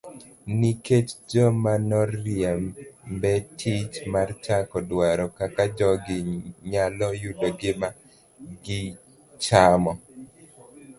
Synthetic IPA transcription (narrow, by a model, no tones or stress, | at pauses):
niket͡ʃd͡ʒɔmanɔrːɪɛmmbɛtʰit͡ʃmart͡ʃakɔdwaɾɔkakad͡ʒɔɡɪɲalɔjudɔɡɪma | ɡɪ | t͡ʃamɔ